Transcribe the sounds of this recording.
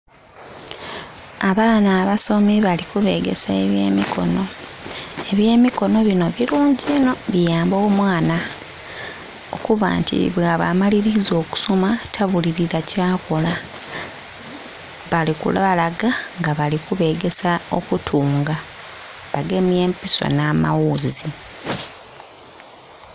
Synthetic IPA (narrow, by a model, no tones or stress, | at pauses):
aβaːnaːβaso̞miβalikuβe̞̰ːɡe̞̰sae̞βje̞̰ːmikʰo̞̰no̞ | e̞βje̞ːmiko̞no̞βino̞βiluːɲɟino̞βijaːmbo̞ːmwaːna | o̞̰kuβa̰ːntḭβwaβa̰maliɾizo̞ːku̥somatʰaβuliɾiɾacaːko̞la | βalikṵlβalaɡaŋɡaβalikuβe̞ːɡe̞sao̞̰kutʰuːŋɡa | βaɡe̞mje̞ːmpiso̞̰namawuzi